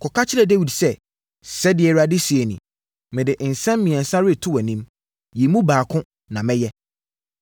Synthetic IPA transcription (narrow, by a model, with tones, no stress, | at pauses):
kʰɔ˨kʰa˦t͡ɕʰɪ˦ɾɛ˨de˦wi˨dsɛ˦ | sɛ˦dɪ˨ɛ˨ɾa˦dɪ˦si˨ɛ˨nḭ̃˨ | mɪ̃˨dɪ˨n̩˨sɛ̃˦m˦mĩ˨ɛ̃˨n˨sã˦ɾɪ˦˨tʰʊ˦wæ˨nĩ˦m | ji˨mũ˦baː˨kʰʊ̃˦ | nã˨mɛ̃˦jɛ˦